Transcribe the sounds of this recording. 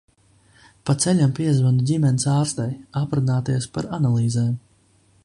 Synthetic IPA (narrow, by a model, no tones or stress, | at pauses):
pat̪sɛlʲampiɛzvanudʲimʲɛnisaːɾst̪ɛjapɾunaːt̪iɛspaɾanalˠiːzɛːm